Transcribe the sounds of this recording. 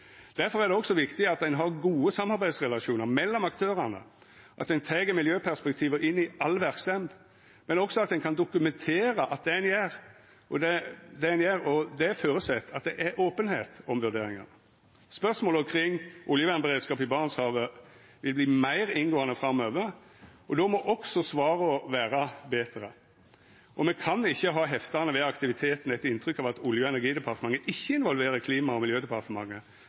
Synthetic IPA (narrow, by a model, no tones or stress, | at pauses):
d̪̥æɾfɔɾæɾd̪ɛɔksɔʋɪkt̪ɪɑt̪̚d̪ɛnɦɑɾɡuːəsɑmːɑɾbæɪd̪sʁɛlɑʃuːnəɾmɛlːɔmɑkt̪ʰøːɾɑnə̰ | ʔɑ̰t̪̚æɪnt̪ʰeɡəmɪljøːpʰæʁspɛkt̪ʰiːʋəʔɪnːɪɑlːʋæɾksɛmd̪ | mɛnɔksɔɑt̪d̪ɛnkʰɑnd̪ʊkʉmɛnt̪ʰeːɾəʔɑt̪̚d̪ɛɛnjæːɾ | ʔɔd̪ɛd̪ɛɛnjæːɾɔd̪ɛføːɾəsɛt̪ʰːɑt̪̚d̪ɛʔɛɾoːpənhḛːt̪ɔmʋʉɾd̪eːɾɪŋɑ̰n | spœʁsmoːlɔmkʰɾɪŋːʔʊljəʋæʁnbəʁeːd̪skɑːpɪbɑːʁnəshɑːʋə | ʋɪlbliːmæɪɾɪnɡoːɑnəfɾɑmːøːʋə | ɔd̪omɔʔɔksɔsʋɑːɾəɔʋæːɾəbeːt̪ɾə | ʔɔmɛkʰɑnɪçːəɦɑːɦɛft̪ɑʁnəʋɛɑkt̪ɪʋɪt̪ʰeːt̪n̩ɛt̪ɪnt̪ʰɾʏkːɑʋɑt̪ʰʊljəɛnæɡiːd̪ɛpʰɑʁt̪əmɑŋːəʔɪçːəɪnʋɔlʋeːɾəkʰliːmɑɔmɪljøːd̪ɛpʰɑʁt̪əmɑŋːə